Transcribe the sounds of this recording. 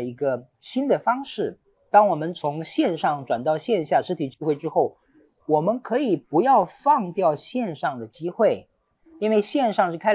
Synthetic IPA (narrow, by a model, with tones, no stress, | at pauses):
əi˧˥ɡə˧ | ɕi˥nd̪ə˨fɑ˥ŋʂɻ̩˥˩ | t̪ɑ˥ŋwɔ˨˩mə˦nt͡sʰʊ˧˥ŋɕjɛ˥˧nʂɑ˥˩ŋʈ͡ʂwa˨˩nt̪ɑ˥˧ʊɕjɛ˥˧nɕja˥˩ʂɻ̩˥t̪ʰi˨˩t͡ɕy˥˧xwe˥˩ɪʈ͡ʂɻ̩˥xo˥˩ʊ | wɔ˨˩mə˦nkʰɤ˧˥i˨˩pu˧˥jɑ˥˧ʊfɑ˥˧ŋt̪jɑ˥˧ʊɕjɛ˥˧nʂɑ˥˩ŋd̪ə˩t͡ɕi˥xwe˥˩ɪ | i˥nwe˥˧ɪɕjɛ˥˧nʂɑ˥˧ŋʂɻ̩˥˩kʰa˥ɪ